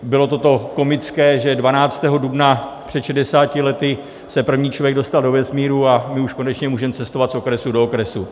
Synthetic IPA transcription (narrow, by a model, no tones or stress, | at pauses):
bɪlo̞t̪o̞t̪o̞ko̞mɪt͡skɛːʒɛdvanaːt͡st̪ɛːɦo̞dubnapr̝̥ɛt̪ʃɛdɛsaːcɪlɛt̪ɪ | sɛpr̩vɲiːt͡ʃlo̞vjɛɡ̚do̞st̪aldo̞vɛsmiːɾuamɪuʃko̞nɛt͡ʃɲɛmuːʒɛmt͡sɛst̪ovat̪so̞kɾɛsudo̞okɾɛsu